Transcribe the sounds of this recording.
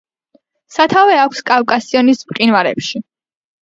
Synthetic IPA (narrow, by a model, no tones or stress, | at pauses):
sat̪ʰavɛakʷʰskʼafkʼasiɔnispʼqʼinvaɾɛ̰pʃi